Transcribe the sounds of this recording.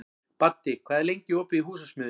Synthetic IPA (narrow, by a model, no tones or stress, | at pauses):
pat̪ːɪkʰvaːðɪɾlejɲcɪoːpɪðiɦuːs̬asmʏːð